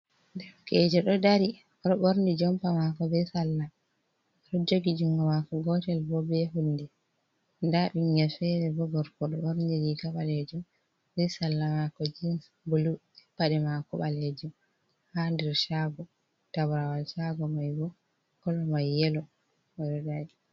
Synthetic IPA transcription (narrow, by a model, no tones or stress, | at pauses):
dɛfkɛd͡ʒɛɗɔdaɾi | ɗɔɓoɾnid͡ʒɔmpamakɔbisalːa | ɗɔd͡ʒoɡid͡ʒuŋɡɔmakɔɡɔtɛlbɔbɛɦunːdɛ | ndaɓiŋɡɛfɛɾɛbɔɡɔɾkɔɗɔɓoɾniɾikaɓaled͡ʒum | bisalːamakɔd͡ʒins | bulu | ɛpːaɗɛmakɔɓaled͡ʒum | handɛɾʃaɡɔ | tabɾawalʃaɡɔmajɡɔ | kɔlɔmajːɛlɔ | ɔɗɔdaɾi